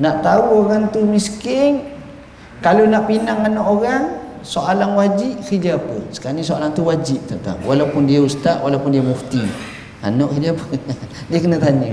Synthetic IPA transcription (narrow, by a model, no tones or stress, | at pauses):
naʔt̪auoɣaŋt̪umiskɪŋ | kalonaʔpinaŋanɔʔoɣaŋ | soʔalaŋwad͡ʒiʔ̚kid͡ʒaːpəsə̥kaɾanisoalaŋt̪uwad͡ʒiʔ̚t̪ɔnt̪a̰ŋwʔalawpʊndiaust̪aʔwalawpʊndiamuft̪i | a̰nɔʔkidiapəŋdiəkənət̪aɲə